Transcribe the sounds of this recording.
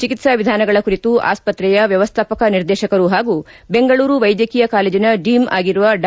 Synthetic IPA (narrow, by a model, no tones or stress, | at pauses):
t͡ʃikit̪sɐʋid̪ʱaːnɐɡɐɭɐkuɾit̪uʔa̰ːspɐt̪ɾɛjɐʋjɐʋɐst̪ʰaːpɐkɐniɾd̪ɛːʃɐkɐɾuɦaːɡu | be̞ŋɡɐɭuːɾuʋɐjd̪jɐkiːjɐkaːleːd͡ʒinɐɖiːma̰ːɡiɾuʋɐɖ